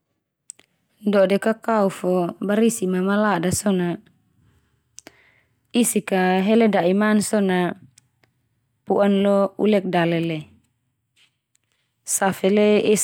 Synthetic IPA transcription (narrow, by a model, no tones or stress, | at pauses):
dɔdɛkakaufɔbaɾisimamaladasɔna | isikaɦelɛdaʔimansɔna | puʔanlɔṵlɛk̚dalɛlɛ | safɛleɛs